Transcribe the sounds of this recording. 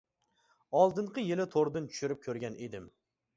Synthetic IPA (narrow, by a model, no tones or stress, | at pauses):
ɒlˠd̪ɨɴqɨjɪlɪt̪ʰoɾd̪ɪnt̪ʰʊ̥ʃʊɾɪp̚kʲʰɵɾɡʲanʔe̞d̪ɪm